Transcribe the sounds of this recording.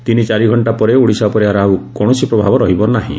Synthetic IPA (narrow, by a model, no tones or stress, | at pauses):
t̪init͡ʃaɾiɡʱɔɳʈapɔɾeuɽisapɔɾeaɾawkɔɽ̃ɔsipɾɔbʱabɔɾɔɦibɔnaɦḭ̃